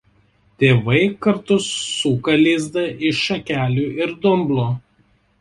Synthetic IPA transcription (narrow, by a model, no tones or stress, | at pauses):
t̪ʲeːʋɐɪkɐɾt̪ʊsːuːkɐlʲiːzd̪ɐʔɪʃʃɐkʲæːlʲuːʔɪɾd̪ʊmblˠoː